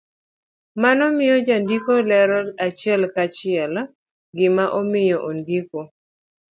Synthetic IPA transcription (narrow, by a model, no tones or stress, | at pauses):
manɔmɪjɔd͡ʒandikolɛɾɔlat͡ʃɪɛlkat͡ʃɪɛl | ɡɪmaʔɔmɪjɔʔondiko